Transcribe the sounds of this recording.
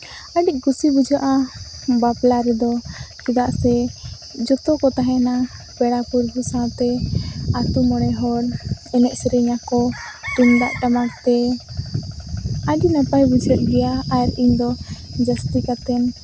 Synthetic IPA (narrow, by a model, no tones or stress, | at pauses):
əɖic̚ˀɡusibud͡ʒaʔa | baplaɾɛd̪ɔkid̪aʔsɛ | d͡ʒɔt̪ɔkɔt̪aɦɛna | bɛɽapuɾbusãwt̪ɛat̪umɔɽ̃ɛɦɔɽɛnɛʔsɛɾɛɲakɔʈimd̪aʔʈamakt̪ɛ | aɖinapajbid͡ʒɾət̪̚ɡɛjaːɾiɲd̪ɔd͡ʒəst̪ikat̪ɛn